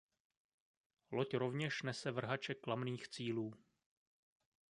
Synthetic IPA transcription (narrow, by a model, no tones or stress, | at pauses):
locɾo̞vɲɛʃnɛsɛvr̩ɦat͡ʃɛklamniːxt͡siːluː